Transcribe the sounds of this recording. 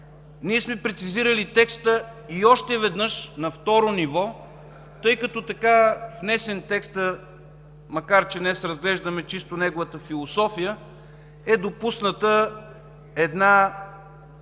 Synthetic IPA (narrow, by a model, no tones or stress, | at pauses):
niɛsmɛpɾɛt̪siziɾəlit̪ɛkst̪əiɔʃt̪ɛvɛd̪nɤʃnɐft̪ɔɾonivɔ | t̪ɤjkɐt̪ɔt̪ɐkafnɛsɛnt̪ɛkst̪ə | mɐkaɾt͡ʃɛnɛsɾɐzɡlɛʒd̪ɐmɛt͡ʃist̪onɛɡʊvət̪əfilˠosɔfijə | ɛd̪opusnət̪ə | ɛd̪na